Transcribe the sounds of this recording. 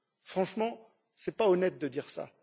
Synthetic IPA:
fχɑ̃ʃmɑ̃ | sɛpaɔnɛt̪̚d̪əd̪iʁsa̰

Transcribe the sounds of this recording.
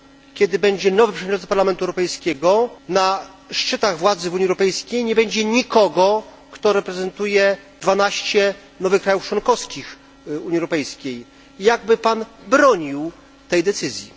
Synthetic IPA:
kʲɛd̪ɘbɛɲd͡ʑɛnɔvɘpʂɛvjɲʲt͡ɕɔ̃npaɾlamɛnt̪uɛwɾɔpɛjskʲɛɡɔna | ʂt͡ʂɘt̪aɣvwad̪zɘvuɲiɛwɾɔpɛjskʲejɲɛbɛɲd͡ʑɛɲikɔɡɔ | kt̪ɔɾɛpɾɛzɛnt̪ujɛd̪vanaɕt͡ɕɛ | nɔvɘxkːɾajuft͡ʂwɔnkɔfskʲix | uɲiɛwɾɔpɛjskʲej | jaɡ̚bɘpanbɾɔɲiw | t̪ɛjd̪ɛt̪sɘzʲji

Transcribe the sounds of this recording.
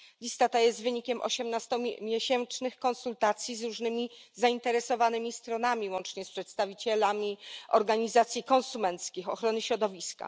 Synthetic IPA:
lʲist̪at̪ajɛst̪vɘɲikʲɛmʔɔ̰ɕɛmnast̪ɔmʲjeɕɛnt͡ʂnɘxkɔnsult̪at̪sʲjizɾuʐnɘmʲizaint̪ɛɾɛsɔvanɘmʲist̪ɾɔnamʲiwɔnt͡ʂɲɛspʂɛt̪st̪avʲit͡ɕɛlamʲiɔɾɡaɲizat̪sʲjikɔ̃nsumɛnt̪skʲixɔxɾɔnɘɕɾɔd̪ɔvʲiska̰

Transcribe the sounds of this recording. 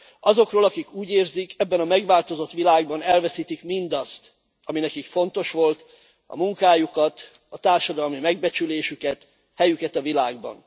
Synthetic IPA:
ɒzo̞kroːlɒkikuːɟeːrzikɛbːɛnɒmɛɡʋaːlt̪o̞zo̞t̪ʋilaːɡbɒnɛlvɛsiːt̪ikmind̪ɒst̪ | ɒminɛkikfo̞nt̪o̞ʃʋo̞lt̪ | ɒ̰muŋkaːjukɒt̪ | ɒt̪aːrʃɒd̪ɒlmimɛɡ̚bɛt͡ʃyleːʃykɛt̪ | hɛjykɛt̪ɒvilaːɡ̚bɒ̰n

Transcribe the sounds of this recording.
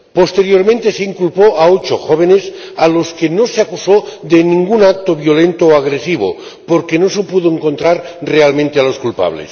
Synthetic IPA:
po̞st̪e̞ɾjo̞ɾmẽnt̪eseiŋkulpoʔaot͡ʃo̰xoβ̞enes | alo̞skenoseakusoðenĩŋɡunak̚t̪oβjole̞nt̪oːaɣ̞ɾesiβ̞o̰ | poɾkenosepuðoeŋko̞nt̪ɾaɾrealmẽnt̪ealo̞skulpa̰β̞lḛs

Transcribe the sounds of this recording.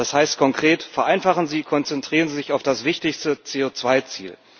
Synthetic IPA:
d̥ashaɪst̚kʰɔŋkʁ̥eːtfɛɐʔaɪnfaχn̩ziːkʰɔnt͡sɛntʁ̥iːʁənziːzɪçaʊfd̥asv̥ɪçtɪçstət͡seːoːt͡sv̥aɪt͡sḭːl

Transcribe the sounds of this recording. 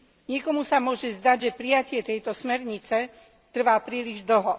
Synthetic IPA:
ɲɪɛkɔmusamʊɔʒɛzd̪aɟʒɛpɾijacɪɛt̪ɛjt̪ɔsmɛɾɲit͡sɛ | t̪r̩ʋaːpɾiːliʒd̪l̩ɦɔ

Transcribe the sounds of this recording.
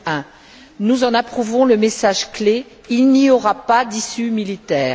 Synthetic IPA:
ɛ̃ | nuzɑ̃napχuvɔ̃ləmesaʒkle | ilniɔʁapad̪isymilit̪ɛːʁ

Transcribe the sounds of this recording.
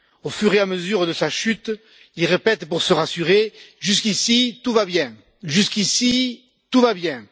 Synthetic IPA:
ofyʁeaməzyʁd̪əsaʃyt̪ | ilʁepɛt̪puʁsəʁasyʁeʒyskisit̪uvabjɛ̃ | ʒyskisi | t̪uvabjɛ̃

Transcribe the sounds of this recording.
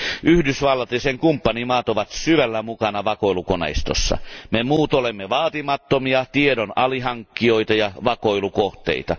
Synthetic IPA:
ʔyhdysʋɑlːɑt̪ːiseŋkumpːɑnimɑːt̪oʋɑt̪syʋælːæmukɑnɑʋɑkoilukonḛist̪o̰sːɑ̰memuːt̪olemːeʋɑːt̪imɑt̪ːomiɑt̪iedonɑliɦɑŋkːioit̪ɑjɑʋɑkoilukoht̪ḛit̪ɑ

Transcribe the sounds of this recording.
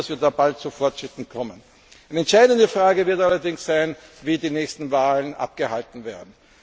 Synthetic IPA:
asv̥iːɐdaːbalt̚t͡sufɔɐtʃʁ̥ɪtn̩kʰɔmən | ɛɪnəɛntʃaɪdəndəfʁ̥aːɡəvɪɐtalɐdɪŋsz̥aɪnviːdiːnɛːçstn̩vaːlənʔa̰p̚ɡ̥əhaltn̩veːɐdn̩

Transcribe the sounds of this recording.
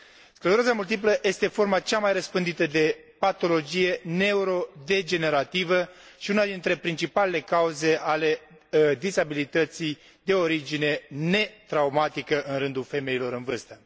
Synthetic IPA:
skɾəzɾasamult̪ip̬ləje̞st̪e̞fo̞rmat͡ʃamajrəspɨnd̪it̪əd̪e̞ | pat̪o̞lo̞d͡ʒije̞ne̞uɾo̞d̪e̞d͡ʒe̞ne̞ɾat̪ivəʃiunad̪int̪ɾe̞pɾint͡ʃipale̞le̞kauze̞ʔale̞ | d̪izabilit̪ət̪si | d̪e̞o̞ɾid͡ʒine̞ne̞t̪ɾaumat̪ikəʔɨnɾɨnd̪ulfe̞me̞ilo̞ɾɨnvɨrst̪ə

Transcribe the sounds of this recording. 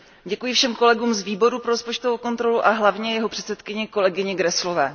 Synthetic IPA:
ɟɛkujɪfʃɛmko̞lɛɡuːmzviːbo̞ɾupɾo̞ɾospo̞t͡ʃt̪ovowko̞nt̪ɾo̞luʔaɦlavɲɛjɛɦo̞pr̝̥ɛt̪sɛt̪kɪɲɪko̞lɛɡɪɲɪɡɾɛslo̞vɛ̰ː

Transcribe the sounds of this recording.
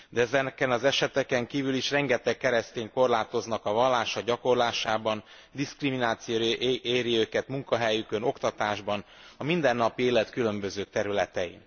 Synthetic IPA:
d̪ɛɛzɛnɛkɛnɒzɛʃɛt̪ɛkɛŋkiːvyliʃrɛŋɡɛt̪ɛkːɛɾɛst̪eːŋko̞rlaːt̪o̞znɒkɒvɒlːaːʃɒɟɒko̞rlaːʃaːbɒn | d̪iskriminaːt̪sijoeːɾiøːkɛt̪muŋkɒɦɛjykø̞no̞kt̪ɒt̪aːʒbɒnɒmind̪ɛnːɒpieːlɛt̪kylø̞mbø̞zøːt̪ɛɾylɛt̪ɛḭn

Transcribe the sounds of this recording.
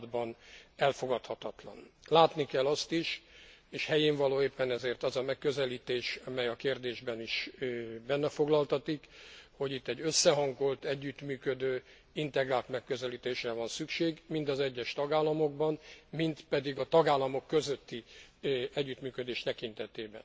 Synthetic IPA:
d̪bɒnɛlfo̞ɡɒt̪hɒt̪ɒt̪lɒ̰nlaːt̪nikɛlːɒst̪iʃeːʃhɛjeːɱvɒloːeːpːɛnɛzeːrt̪ɒzɒmɛkːøzɛliːt̪eːʃɒmɛjɒkeːrd̪eːʒbɛniʃbɛnːɛfo̞ɡlɒlt̪ɒt̪ikho̞ɟit̪ːɛɟːøsːɛɦɒŋɡo̞lt̪ɛɟːyt̪myːkød̪øː | int̪ɛɡraːlt̪mɛkːø̞zɛliːt̪eːʃrɛvɒnsykʃeːɡmind̪ɒzɛɟːɛʃt̪ɒɡaːlːɒmoɡbɒnmint̪pɛd̪iɡɒt̪ɒɡaːlːɒmo̞kːø̞zøt̪ːi | ɛɟːyt̪myːkød̪eːʃt̪ɛkin̪t̪ɛt̪eːbɛ̰n

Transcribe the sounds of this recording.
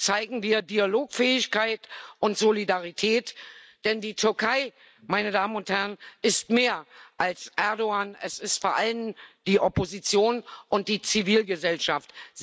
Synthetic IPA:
t͡saɪɡŋ̩viːɐdialoːkfɛːɪçkaɪtʔʊntz̥olidaʁ̞itʰɛːtd̥ɛndiːtʰʏɐkʰaɪ | maɪnədaːməmʊnthɛʁnʔɪstmeːɐʔalsʔɛɐdoaːnɛsɪstfoːɐʔalənd̥iːʔɔpozit͡sjoːnʔʊnt̚d̥iːt͡siviːlɡəzɛlʃaft

